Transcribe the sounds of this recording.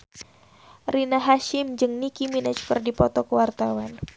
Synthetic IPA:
rinaɦaʃɪmd͡ʒɨŋnikiminat͡ʃu̥kərdipɔt̪ɔkəwart̪awan

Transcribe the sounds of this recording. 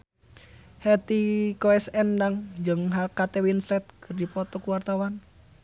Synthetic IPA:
hɛt̪ikoɛsɛnːdaŋd͡ʒəŋɦakat̪ewinsɾɛt̪̚kərdipɔt̪ɔkuwart̪awan

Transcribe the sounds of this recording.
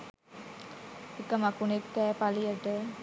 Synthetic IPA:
ekəmakunekːɛːpalijəʈə

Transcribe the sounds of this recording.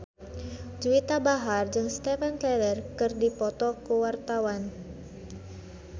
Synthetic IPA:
d͡ʒuit̪abaɦard͡ʒɨŋst̪ɛfɛnklɛlərkɨrdipɔt̪ɔkuwart̪awan

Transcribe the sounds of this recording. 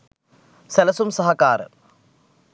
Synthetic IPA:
sɐlɐsumsɐɦɐkaːɾɨ̰

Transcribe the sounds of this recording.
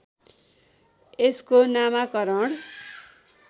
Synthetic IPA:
eskonamakʌɾʌɽ

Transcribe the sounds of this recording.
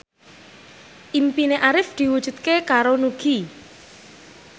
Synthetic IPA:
ʔimpineʔaɾɪfd̪̥i̤wud̥ʒ̥ṳt̪̚kekaɾonuɡ̥i

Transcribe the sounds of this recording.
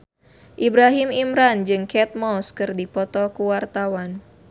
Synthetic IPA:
ʔibɾaɦimimɾand͡ʒɨŋkɛt̪̚mɔskɨrdipɔt̪ɔkuwart̪awan

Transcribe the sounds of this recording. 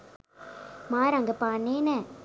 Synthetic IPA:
maːɾɐŋɡɐpaːneːnɛ

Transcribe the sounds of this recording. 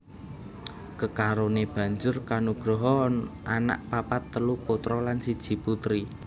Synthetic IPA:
kəkaɾoneb̥ä̤ɲd͡ʒʊrkanuɡ̥ɾɔɦɔnana̰ʔpapat̪ːəlupot̪ɾɔlansid̥ʒ̥i̤put̪ɾi

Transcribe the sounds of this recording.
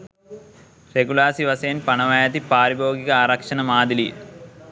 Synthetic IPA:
reɡulaːsiʋɐseːnpɐɳɐʋɐjat̪ipaːɾiboːɡiɡɐaːɾɐkʂɐnɐmaːd̪ilḭl

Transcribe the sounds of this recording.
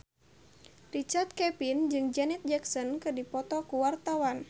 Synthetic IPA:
rit͡ʃard̪̚kɛpind͡ʒɨŋd͡ʒɛnɛt̪̚d͡ʒɛksɔnkɨrdipɔt̪ɔkuwart̪awan

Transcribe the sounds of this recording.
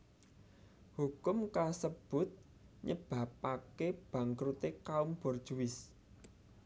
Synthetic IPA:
hukʊmkasəb̥ʊ̤t̪̚ | ɲəb̥ä̤pakeb̥ä̤ŋkɾut̪ekaumb̥ɔrd̥ʒ̥uwɪs

